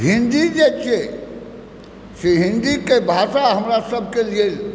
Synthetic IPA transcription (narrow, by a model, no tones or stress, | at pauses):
ɦĩnd̪id͡ʒet͡ʃe | seɦĩnd̪ikebʱasaɦəmɾasəb̚ʱkeliel